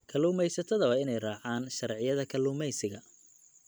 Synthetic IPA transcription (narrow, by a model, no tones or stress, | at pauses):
kʰɐluːmɛjsɐt̪ʰɐðɐβɐɪnɛjrɑːʕaːnʃɐrʕɪjɐðɐkʰɐluːmɛjsɪɣɐ